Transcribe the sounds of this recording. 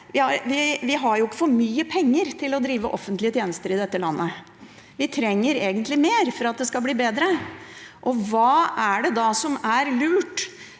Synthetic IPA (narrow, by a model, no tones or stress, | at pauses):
ʋɪhɑɾʋɪʋɪɦɑɾjʊɪkːə̥fɔɾmyːəpʰɛŋːəɾt̪ʰɪlɔd̪ɾiːʋəʔɔfːənt̪lɪət̪ʰjeːnəst̪əɾɪd̪ɛt̪ːəlɑnːə | ʋɪt̪ʰɾɛŋːəɾeːɡənt̪lɪmeːɾfɔɾɑt̪̚d̪ɛskɑlbliːbeːd̪ɾə | ʔɔʋɑːæɖɛd̪ɑːsɔmæɾlʉːʈ